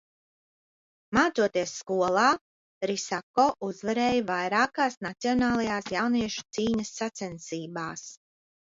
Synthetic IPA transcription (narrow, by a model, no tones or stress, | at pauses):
maːt̪suɔt̪iɛsːkuɔlˠaː | ɾisakɔːʔuzvaɾɛːjvajɾaːkaːsnat̪siɔnaːlˠajaːsjawniɛʃu̥t̪siːɲɐsːat̪sɛnsiːbaːs